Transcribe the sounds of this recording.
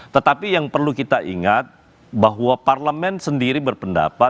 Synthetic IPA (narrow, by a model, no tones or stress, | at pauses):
t̪ət̪apijaŋpərlukit̪aʔiŋat̪̚ | baɦwaparləmɛnsəndiɾibərpənda̰pa